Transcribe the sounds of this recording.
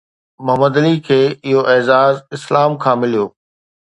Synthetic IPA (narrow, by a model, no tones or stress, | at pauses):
mʊɦəməd̪ɐlikʰeːɪɦoʔɛːzaːzɪslaːmkʰãːmɪlijoː